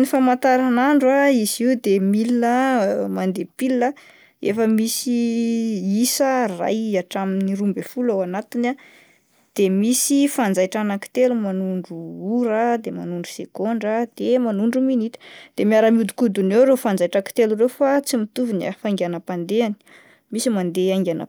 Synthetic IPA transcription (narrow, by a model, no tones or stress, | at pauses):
nifamant̪aɾanaɳɖ͡ʐwaiziwd̪emilinəmand̪epilə | efəmisi | isəra̰jaʈ͡ʂaminiɾumbefulawanat̪ina | d̪̥emisifand͡zajʈ͡ʂanaki̥t̪elumanuɳɖ͡ʐuuɾəd̪ema̰nuɳɖ͡ʐu̥sekoɳɖ͡ʐəd̪̥emanuɳɖ͡ʐuminit̪ə̥d̪̥emiaɾəmiud̪u̥kud̪unewɾefand͡zajʈ͡ʂaki̥t̪elurewfat͡simit̪uvuna̰faŋɡanəpand̪eani̥ | misimand̪eaŋɡʲanə̰